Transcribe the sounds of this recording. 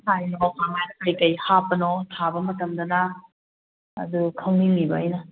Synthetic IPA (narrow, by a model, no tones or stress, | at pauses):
hajnɔkʰaŋajnɐkɐjkɐjhapɐnotʰabɐmɐtɐmdɐnɐ | dukʰɐwnimibɐɐjnɐ